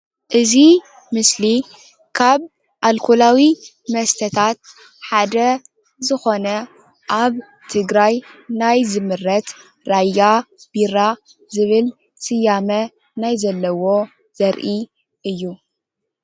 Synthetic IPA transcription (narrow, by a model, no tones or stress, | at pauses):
ʔɨzi | mɨsli | kʰaβ | ʔalkʰulawi | mɐst̪ʰɐt̪ʰat̪̚ | ħad̪ɐ | zɨxo̞nɐ | ʔaβ | t̪ʰɨɡɾajnajzɨmɨrːɐt̪ | ɾajab̥iɾa | zɨβɨl | sʼɨjamɐ | najzɐlːɐwo̞ | z̥ɐɾʔi | ʔɨjːu